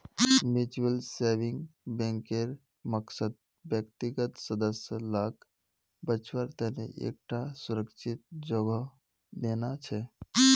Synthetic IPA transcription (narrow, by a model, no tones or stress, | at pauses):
mut͡ʃuəlsebĩŋɡbẽŋkeɾ | məksəd̪̚ | bjək̚t̪iɡət̪səd̪əsjəlak | bət͡ʃwəɾt̪əɦnḛʔḛk̚ʈasuɾəkʃʰit̪̚d͡ʒoɡə | d̪enat͡ʃʰɛ